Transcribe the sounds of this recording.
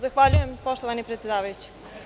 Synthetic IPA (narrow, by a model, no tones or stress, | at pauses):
zaxʋaʎuje̞mpo̞ʃt̪oʋanipɾet̪sʲed̪aːʋajut͡ɕi̥